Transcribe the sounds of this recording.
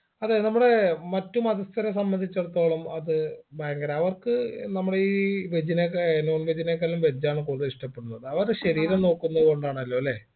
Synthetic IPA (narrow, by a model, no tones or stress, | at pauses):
ɐðenɐmːuɽe̞mɐtːumɐðɐst̪ʰɐɾɐsɐmbɐnd̪ʱit͡ɕːeɽut̪ːo̞ːɭɐmɐðɨbajɐŋɡɐɾeɐʋɐrkɨnɐmːuɽeiːʋed͡ʑinekno̞ːnʋed͡ʑineːkːɐlumʋed͡ʑːaːɳɨkuːɽɐðɨiʂʈɐpːe̞ɽunːɐðɨɐʋɐɾɕɐɾiːɾɐmno̞ːkːunːɐðɨɣo̞ɳɖaːɳɐlːo̞ːle̞